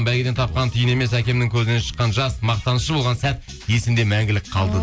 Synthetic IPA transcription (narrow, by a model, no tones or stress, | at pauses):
bælɡʲed̪ent̪ʰɑp̚qɑnt̪ʰʏjɪne̞mesækʲe̞mnɪŋkʲʰɵzɪne̞nʃə̥qːɑnʒɑsmɑq̚t̪ɑnəsʃəbolʁɑnsæt̪ | je̞sɪmd̪e̞mæŋɡʲɪlɪk̚qʰɑlˠd̪ə